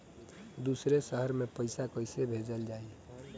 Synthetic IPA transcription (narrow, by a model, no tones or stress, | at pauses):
d̪usɾesəɦəɾmepəjsakəjsebʱed͡ʒəld͡ʒai